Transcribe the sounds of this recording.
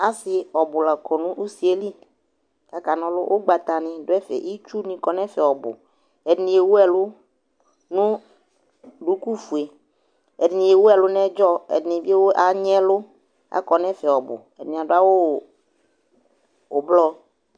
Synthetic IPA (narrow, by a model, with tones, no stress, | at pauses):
a˨sɪ˨ɔ˨bʊ˨la˨kʰɔ˨nũ˦ʔu˦si˨e˦li˦ | ka˨ka˨nɔ̃˦lʊ̰˦ʔo˦ɡ͡ba˨t̪a˨nɪ̃˨dʊ˦ɛ˦fɛ̰˨ʔi˦t͡ʃu˦nĩ˨kɔ˨nɛ̃˦fɛ˨ɔ˨bʊ̰˨ | ɛ˨dɪ˨nĩ˨e˨wo˦ɛ˨lʊ˦ | nʊ̃˦ | ɖu˨ku˦fu˨e˨ | ɛ˨dɪ˨nĩ˨e˨wo˦ɛ˨lʊ˦nɛ̃˦d͡ʒɔ˦ɛ̰˨dɪ˨nɪ̃˨bi˦e˦wo˦ʔa˨ɲɛ̃˦lʊ˦ | a̰˦kɔ˨nɛ̃˦fɛ˨ɔ˨bʊ̰˨ɛ̰˨dɪ˨nĩ˨a˨dʊ˦a˦wo˦˨ | o˨blɔ˦